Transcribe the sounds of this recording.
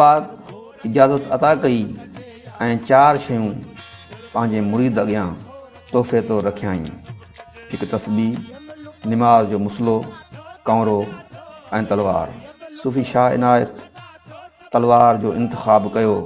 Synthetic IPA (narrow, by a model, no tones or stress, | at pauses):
aːd̪ | ɪd͡ʑaːzət̪ɐt̪akɐi | ɛ̃ːt͡ɕaːɾʃɐjũ | pɐ̃ɦɪ̃ɲd͡ʑemʊɾiːd̪ɐɠɪjãː | t̪oːfet̪oɾɐkʰijaːḭ̃ː | ɦɪkt̪ɐsbiː | nɪmaːzd͡ʑoːmʊslokɐ̃ːɾo | ɛ̃ːt̪ɐlʋa̰ːɾsuːfiʃaːɦɪ̰naːjə̰t̪ | ɐlʋaːɾd͡ʑoːɪ̰̃nt̪ɪ̥xaːbkɐjoː